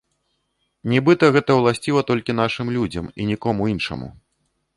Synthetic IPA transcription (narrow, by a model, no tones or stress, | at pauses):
nʲibɨt̪ɐɣɛt̪ɐwlˠasʲt͡sʲivɐt̪ɔlʲkʲin̪aʂɨmlʲud͡zʲɐ̰minʲikɔmuinʂɐ̰mṵ